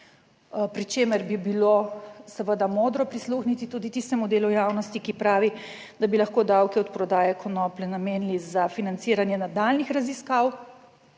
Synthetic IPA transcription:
pɾit͡ʃeːməɾbibilosəʋəd̪amoːd̪ɾɔpɾisluxnit̪it̪ud̪it̪ist̪ɛmud̪eːlujaːwnɔst̪ikipɾaːʋi | d̪abilaxkoːd̪awkɛɔt̪pɾɔd̪aːjɛkʰɔnɔplɛnameːnlizafinant̪siːɾanjɛnad̪alnixɾaziskaw

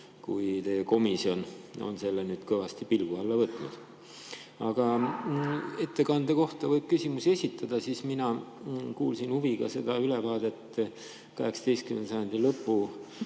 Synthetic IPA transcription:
kujt̪e̞ːeko̞misio̞no̞̰nse̞lːenyːd̪̥kɤvɑst̪ipilɡuɑlːɑvɤt̪ːˑnud̪̥ | ɑɡ̥ɑ | e̞t̪ːe̞kɑnd̪̥e̞ko̞ht̪ɑvɤjb̥̚kysʲimusie̞sʲit̪ːˑɑd̪̥ɑsiːsminɑ | kuːlsinhuviɡ̥ɑ̰se̞d̪̥ɑylevɑːd̪e̞t̪ː | kɑɦe̞ksɑ̥d̪̥e̞jst̪kymensɑjɑnd̪ilɤpːu

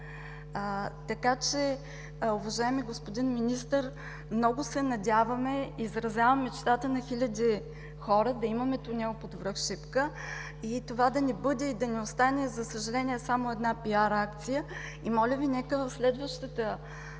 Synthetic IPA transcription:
t̪ɐkat͡ʃɛ | ʊvɐʒaɛmiɡospod̪inminist̪əɾ | mnɔɡʊsɛnɐd̪ʲavɐmɛizɾɐzʲavɐmɛt͡ʃt̪at̪ənɐxilʲɐd̪i | xɔɾəd̪ɐimɐmɛt̪ʊnʲɛopod̪vɾɤxʃipkə | it̪ovad̪ɐnɛbɤd̪ɛid̪ɐnɛost̪anɛzɐsəʒɐlɛniɛsamoɛd̪napiaɾakt̪sijə | imɔlʲəvinɛkəvɐfslɛd̪vəʃt̪ət̪ə

